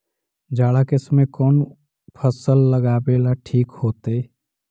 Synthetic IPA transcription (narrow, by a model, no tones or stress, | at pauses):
d͡ʒaːɽakɪsmẽkɔːn | pʰəsəlːəɡaːbeːlaʈʰiːkhoːt̪eː